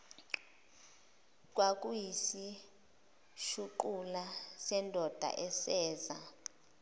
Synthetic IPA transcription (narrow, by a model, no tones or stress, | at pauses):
k̬ʼwak̬ʼujisi | ʃuǃulasɛndʱɔd̥ʱa̰ʔɛsɛːza̰